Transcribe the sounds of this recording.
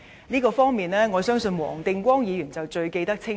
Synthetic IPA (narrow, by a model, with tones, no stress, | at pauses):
niː˥kɔː˧fɔː˥ŋmiː˨˩nlɛː˥ŋɔː˨˧sœː˥ŋsɵ˧nwɔ̰ː˨˩ŋt̪ɪ˧ŋkʷɔː˥ŋjiː˨˧jyː˨˩nt͡sɐ˨wt͡ʃɵ˧ɥke˧jt̪ɐ˥k̚t͡sʰɪ˥